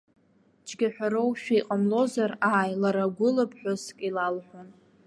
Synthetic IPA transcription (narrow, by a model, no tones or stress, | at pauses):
t͡ʃʰʼɡʲaħʷᶣaɾowʃᶣaiqʼamlo̞zaraːjlaɾaɡʷʊlapʰʼħʷᶣʊskʼilalħʷon